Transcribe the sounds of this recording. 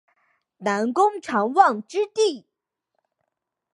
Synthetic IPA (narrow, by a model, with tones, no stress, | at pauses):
na˧˥nkʊ˥ŋʈ͡ʂʰɑ˧˥ŋwɑ˥˩ŋʈ͡ʂɻ̩˥t̪i˥˩